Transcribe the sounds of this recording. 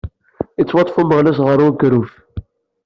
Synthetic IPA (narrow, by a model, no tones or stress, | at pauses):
it͡sːwɑt̪ˤfuməʁlæs̬ʁəɾˤuɡɾuf